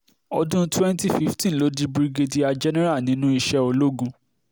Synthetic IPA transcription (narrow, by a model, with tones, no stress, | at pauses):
ɔ˧dũ˦twɛ̃˦n˦ti˦˨fi˦ftĩ˦˨lo˨˦di˦bɾi˧ɡe˧di˧a˧d͡ʒɛ˦nɛ˦ɾa˦˨nĩ˨˦nũ˦i˧ʃɛ˧˦o˧lo˦ɡũ˧